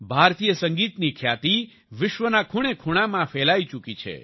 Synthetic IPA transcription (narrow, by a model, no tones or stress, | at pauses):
bʱaɾt̪ijəsəŋɡit̪nikʰjat̪i | ʋɪʃʋənakʰuɽ̃ekʰuɽ̃amãfɛlait͡ʃukit͡ʃʰḛ